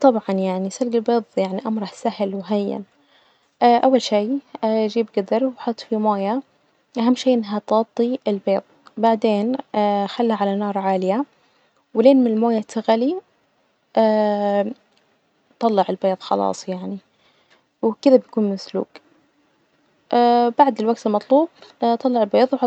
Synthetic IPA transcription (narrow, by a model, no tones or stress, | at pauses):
t̪ˤɑbʕɑnjaʕnisalɡɪlbeːðˤjaʕniʔɑmɾˤɑħsahlwɦajːa̰n | ʔaʔawːalʃiːʔad͡ʒiːbɡad̪ɑɾˤwħʊt̪ˤːfimoːja | ʔaɦamːʃiːʔɪnːaɦat̪ɑt̪ˤːiɪlbeːðˤbaʕd̪eːnaxalːaʕalanɑːɾˤʕaːlɪja | wleːnmɪnɪlmoːjat̪aɣali | ʔa | t̪ˤɑlːɑʕɪlbeːðˤxɑ̰lɑ̰ːsˤjaʕni | wkɪðabjakuːnmɪslṵːɡ | ʔaːbaʕd̪ɪlwaɡ̚t̪ɪlmɑt̪ˤluːbt̪ˤɑlːɑʕɪlbeːðˤwħɑ